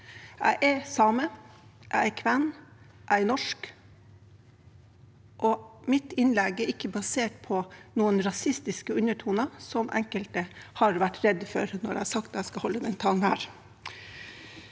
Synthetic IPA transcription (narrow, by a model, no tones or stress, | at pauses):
ʔæ̰ɪʔɛsɑːməʔæ̰ɪɛkʰʋɛn | ʔæɪɛnɔʂk | ʔɔmɪt̪ɪnlɛɡɛɾɪkːəbɑseːʈ̚pʰɔnuːənɾɑsɪst̪ɪskəʉnəʈʰuːnəsɔmʔɛ̰ŋkəlt̪əhɑɾʋæʈɾɛd̪fɔɾnɔɾæ̰sɑkt̪æɪskɑhɔlːəd̪ɛnt̪ʰɑːŋnhæ̰ːɾ